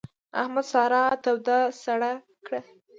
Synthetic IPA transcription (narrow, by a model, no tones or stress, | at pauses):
a̰hmad̪sɑɾɑt̪awd̪ɑsaɽa | kɽa